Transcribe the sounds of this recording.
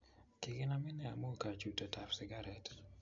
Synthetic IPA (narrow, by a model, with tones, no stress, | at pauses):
kɪ˨ɡɪ˦na˦mɪ˦nɛ˨a˨mo˦ka˨t͡ʃu˨to˨tʰa˨psɪ˨ɡa˦ɾɛt